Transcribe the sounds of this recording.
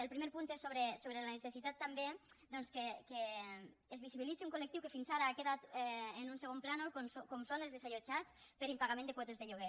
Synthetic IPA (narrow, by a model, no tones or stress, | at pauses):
əlˠpɾimeɾpunt̪esoβɾesoβɾelanəsesit̪at̪ːambed̪ɔnskekeː | zβisiβilit͡siuŋkolek̚t̪iwkefinsaɾaakeðat̪ɛenunseɣ̞omplanokosokɔmsonelzðesaʎot͡ʃat͡spəɾimpaɣamẽnd̪ekwɔt̪ezðeʎuɣ̞e